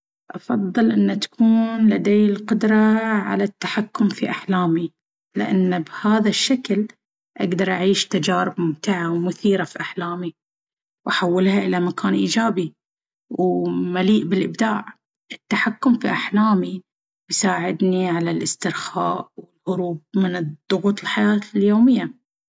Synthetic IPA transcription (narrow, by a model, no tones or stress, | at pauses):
ʔɑfɑðˤːɨlʔɪnːat̪ḁkuːnlad̪eːɪlqʊd̪ɾˤɑʕa̰lat̪ːaħakːʊmfiʔaħlaːmi | lɪ̰ʔa̰nːbhaːðaʃːakl | ʔaɡd̪ɑɾˤʔaʕiːʃt̪ad͡ʒaːɾɪbmʊmt̪aʕawmʊθiːɾafiʔaħlaːmi | wʔaħawːɪlhaʔɪlamakʰaːnʔiːd͡ʒaːbi | wmaliːʔbɪlʔɪbd̪aːʕ | ʔɪt̪ːaħakːʊmfiʔaħlaːmi | bjsaːʕɪd̪niʕalalʔɪst̪ɪɾxa̰ːʔwɪlhʊɾuːb̚mɪnd̪̥ˤːʊɣuːt̪ˤɪlħajaːt̪ljoːmɪjːa